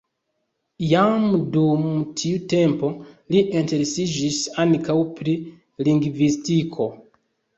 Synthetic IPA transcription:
jamdumtʰiute̞mpo̞liʔenteɾesid͡ʒisankawpɾi | liŋɡvistikʰo

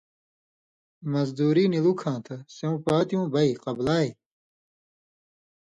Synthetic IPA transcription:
mɐzd̪uːɾiːnilukʰãːt̪ʰɐseũːpaːt̪ijũːbɐiqɐblaːj

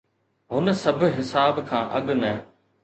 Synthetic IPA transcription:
ɦʊnə̆sɐbʱʊ̆ɦɪsaːbkʰãːʔɐ̰ɠnə

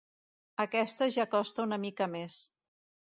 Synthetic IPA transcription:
əkɛst̪əʒakɔst̪əunəmikəmes

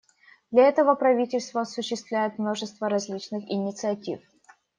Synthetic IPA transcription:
d̪lʲɐɛt̪əvəpɾɐvʲitʲɪlʲst̪vəɐsʊɕːɪst̪vlʲæjɪt̪mno̞ʐɨst̪vəɾɐzʲlʲit͡ɕnɨxɪnʲɪt̪sɨɐtʲif

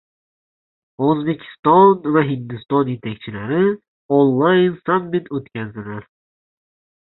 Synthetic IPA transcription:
ɵzbe̞kʲʰɪ̥st̪ɒnvaɦɪnd̪ɪst̪ɒnje̞t̪ʰakʲt͡ʃʰɪlaɾɪ | onlˠajnsamːɪt̪ʰɵt̪kʲʰazd̪ɪlaɾ

